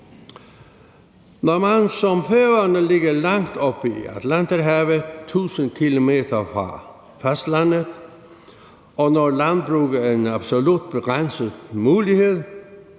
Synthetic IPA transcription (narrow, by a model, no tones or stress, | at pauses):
nɔmænsɔmføːɐnəlɪɡɐlɑŋd̪̥ɔb̥iæ̰t̪ʰlænt̪əɾɦæʋət̪ʰuːsənkʰilomeːt̪ʰɐfʁɑ | fæsd̥lænəð | ʔɔnɔlænd̥̪̚bʁuːɡ̥əenab̥solud̪̥̚b̥eɡ̥ʁansəðˠmuːlihe̝ðˠ